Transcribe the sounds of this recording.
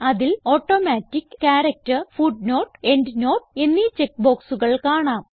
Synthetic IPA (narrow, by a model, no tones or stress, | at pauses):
ɐðilo̞ːʈːoːmaːtːikːkaːɾɐk̚tɐrfuɖno̞ːʈːe̞nɖno̞ːʈenːit͡ɕek̚ːbo̞ːksuɣɐɭkaːɳaːm